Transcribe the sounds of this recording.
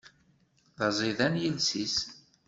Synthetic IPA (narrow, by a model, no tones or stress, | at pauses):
ðɑzˤiðænjəlsis